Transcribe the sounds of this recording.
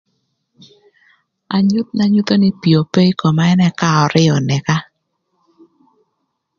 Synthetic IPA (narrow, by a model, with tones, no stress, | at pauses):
a˨ɲʊ˦t̪̚na˦ɲu˦t̪o˦ni˦pi˨o˨pe˦i˦kɔ˨ma˦ɛ˦nɛ˦˨ka˦ɔ˨ɾɪ˦ɔ˨nɛ˨ka˦